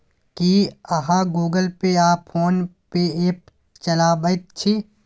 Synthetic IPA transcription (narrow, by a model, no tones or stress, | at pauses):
kiɐɦãɡuːɡəlpeaːpfʰoːnpeeːp̚ | t͡ʃɐlaːbət̪̚t͡ʃʰi